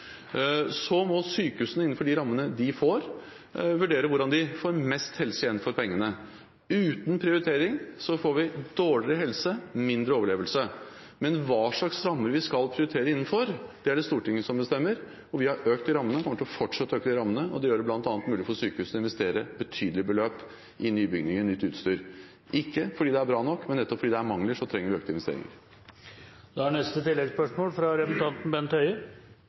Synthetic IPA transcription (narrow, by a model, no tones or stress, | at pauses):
sɔmɔsyːkəhʉːsənəɪn̩ːfɔɖɪɾɑmːənəd̪ɪfoːɾ | ʋʉɖeːɾəʋʊɖɑnd̪ɪfoːɾmɛst̪hɛlsəjɛnːn̩fɔɾpʰɛŋːənə | ʉːt̪npʰɾɪʊɾɪt̪ʰeːɾɪŋsɔfoːɾʋɪd̪oːɭɪɾəɦɛlsəmɪnd̪ɾəoːʋəɭeːʋəlsə | mɛnʋɑːʂɭɑksɾɑmːəɾʋɪskɑlpʰɾɪʊɾɪt̪ʰeːɾəɪnːn̩fɔɾd̪̥ɛæɖɛst̪uːʈɪŋːəsɔmbəst̪ɛmːəɾ | ɔʋɪhɑɾøːkt̪ɪɾɑmːənəkʰɔmːəʈʰɪɔfɔʈʂɑt̪ːəøːkəd̪ɪɾɑmːənəɔ̰d̪ɛjøːɾəblɑnt̪ɑːnət̪mʉːlɪfɔsyːkəhʉːsɔɪnʋɛst̪eːɾəbət̪ʰyːd̪l̩ɪbəløːp | ʔɪnyːbʏɡnɪŋənʏt̪ːʉːt̪st̪yːɾ | ʔɪkːəfɔɖiːd̪ɛæɾbɾɑːnɔkːmɛnːɛt̪ːɔpfɔɖiːd̪ɛæɾmɑŋləʂɔt̪ʰɾɛŋːəɾʋɪøːk̚t̪əɪnʋɛst̪ḛɾɪ̰ŋə̰ɾ | d̪ɛhæɳɛst̪ət̪ɪlːɛɡspœʂmoːlfɾɑɾɛpənt̪ʰɑnt̪n̩bɛnt̪œʏə